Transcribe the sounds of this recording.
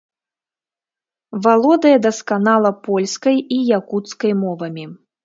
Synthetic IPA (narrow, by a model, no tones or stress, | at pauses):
valˠɔd̪ɐjɐd̪ɐskanalˠɐpɔlʲskɐjijakut̪skɐjmɔvɐmʲi